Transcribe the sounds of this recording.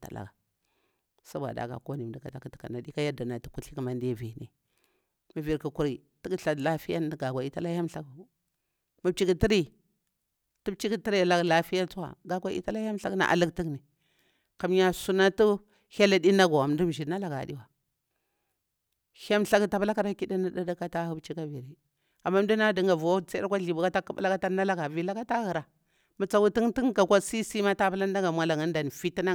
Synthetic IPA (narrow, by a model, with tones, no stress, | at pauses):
ta̰˨la̰˨ɡa˨ | sa˦bʷa̰˨da̰˨ɡa̰˨ko˦ni˨m˨di˦ka˨ta˨ki˦ti̥˨ka̰˨na˨di˦ka˦ja˦da˨na˨tu˨ku˦ɬi˦kma˨ndi˦ja˦˨vi˨nḭ˨ | mi˨vi˨ɾku˨ku˨ɾi˨ | ti˦ki˦ɬa˨dla˦fi˦ja˦n˦dɡa˨ɡʷa˨i˦ta˦la˦ja˦m˦ɬa˦ɡu˨ | mi˨b̚t͡ʃi˦ki˨ti˦ɾi˦ | tu˦bt͡ʃi˦ki˦ti˦ɾi˦˨la˨ɡla˦fi˦ja˦t͡su˦wa̰˨ɡa˨ɡʷa˦ḭ˦ta˦la˦ja˦m˦ɬa˦na̰˨ʔa̰˨lə˦kti˦kni˨ | ka˨mja˨su˦na˦tu˦ | ha˦la˨di˦na˦ɡo˨a˨mdu˦m˨ʒi˨na˦la˨ɡa̰˨di˦wa˨ | ha˦mɬa˦kta˨bla˦ka˦ɾa˦ki˦di˦na˦da˦da˦ka˦ta˦hu˦bt͡ʃi˦ka˦vi˨ɾi˨ | a˨mːa˦m˦du˦na˦di˨ŋɡa˨vu˨wa˦t͡sa˦da˦kʷa˦ɮi˨bu˨ka˦ta˦ka˦b̰la˦ka˦ta˦na˦la˦ɡa˨vi˨la˦ka˦ta˦ɣi˨ɾa˨ | mu˨t͡sa˨wu˦ti˦ŋti˦ŋka˨kʷa˦si˦si˦ma˦ta˦pa˦la˦n˦da˦ŋɡa˨mʷa˨la˨ŋa˦n˦da˨n˨fi˦ti˦na˦